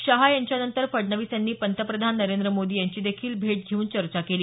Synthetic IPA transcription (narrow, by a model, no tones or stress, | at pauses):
ɕəɦajaɲt͡ɕjanənt̪əɾfəɽɳəʋisjanːiːpənt̪ʰəpɾəd̪ʱanːəɾend̪ɾəmod̪iːjaɲt͡ɕiːd̪ekʰiːlbʱeʈ̚d͡ʑʱeuːnt͡ɕəɾt͡ɕakeliː